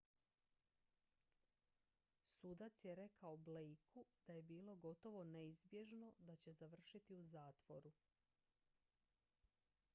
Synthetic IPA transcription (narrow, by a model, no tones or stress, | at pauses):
suːd̪at̪sje̞ɾe̞kaoblejkʰud̪aje̞biːlo̞ɡo̞t̪o̞ʋo̞neizbje̞ʒno̞d̪at͡ɕe̞zaʋr̩ʃit̪iuzaːt̪ʋo̞ɾu